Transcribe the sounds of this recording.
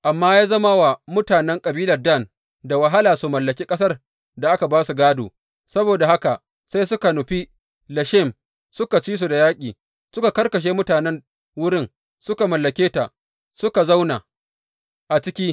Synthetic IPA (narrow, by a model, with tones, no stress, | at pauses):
ʔa˨mːaː˦jaː˦zɐ˦ma˦wa˨mʊ˦taː˨nɛ˦ŋkʼɐ˨biː˦lɐ˨rdɐ˦˨n | da˨wɐ˨ɦa˦laː˨su˨mɐ˨lːɐ˨kʲiː˦kʼɐ˦s̬ɐ˦r | da˨ʔa˦ka˨baː˦su˨ɡaː˦do̰ː˨ | sɐ˦boː˨da˨ha˦ka˨ʔ | sa˦jsʊ˦ka˨nʊ˨ɸi˦ | lɐ˨ʃɛ˦˨m | sʊ˦ka˨t͡ʃiː˦s̬u˨da˨jaː˦kʲʼiː˨ | sʊ˦ka˨kɐ˦rkɐ˨ʃ̬eː˦mʊ˦taː˨nɛ˦n | wʊ˦ɽɪ˦ŋ | sʊ˦ka˨mɐ˨lːɐ˨kʲeː˦ta˨ʔ | sʊ˦ka˨za˦wna˨ | ʔa˨t͡ʃɪ˦kʲiː˦